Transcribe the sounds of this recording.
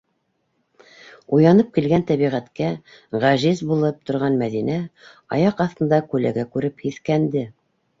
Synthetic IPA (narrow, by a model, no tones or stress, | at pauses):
ujɑnɤp̚kilɡænt̪æβiʁæt̪kæ | ʁæʒizbulˠɤp̚t̪ŏɾʁɑnmæðinæ | ɑjɑqɑθt̪ɤ̆nd̪ɑkʉlæɡækʉɾɘphiθkænd̪ɘ